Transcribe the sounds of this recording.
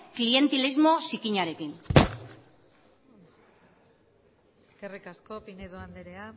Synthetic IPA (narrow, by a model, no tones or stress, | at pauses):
klie̞nt̪ilizmo̞sikiɲaɾe̞kin | eske̞rikasko̞pineðoand̪eɾea